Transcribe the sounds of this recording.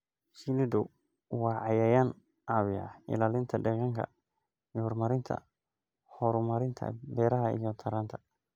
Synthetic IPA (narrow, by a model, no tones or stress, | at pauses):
sinɪdʊ | wɑːʕɑjɐjan | ʔawɪa̰ɪ̰laːlɪnt̪ʰɐdɛɣɐŋkʰɐ̰ | jhɔɾmɐɾɪnt̪ʰɐ̰ | hɔɾmɐɾɪnt̪ʰɐ̰bɛːɾɐɦɐḭjɔt̪ʰɐɾaːnt̪ʰɐ̥